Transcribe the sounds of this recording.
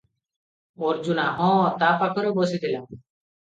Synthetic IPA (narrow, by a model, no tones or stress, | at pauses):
oːɾd͡ʒunaʔɔ̃t̪apakʰɔɾobɔsit̪ʰila